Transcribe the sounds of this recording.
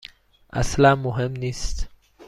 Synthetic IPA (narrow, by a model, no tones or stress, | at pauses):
ʔa̰slamːuɦemnist̪